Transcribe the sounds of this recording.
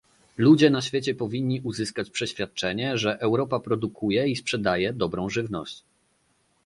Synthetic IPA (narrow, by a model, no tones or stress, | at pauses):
lud͡ʑɛnaɕfʲet͡ɕɛpɔvʲiɲʲːiʔuzɘskat͡ɕpʂɛɕfʲjat̪̚t͡ʂɛɲɛʐɛʔɛwɾɔpapɾɔd̪ukʰujɛispʂɛd̪ajɛd̪ɔbɾɔ̃w̃ʐɘvnɔ̰ɕt͡ɕ